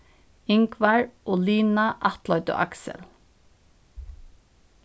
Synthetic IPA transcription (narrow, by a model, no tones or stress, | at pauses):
ɪŋkʰʋæɹʔoːliːnɑʔɑt̪lɔʏt̪o̰ːʔæksə̰l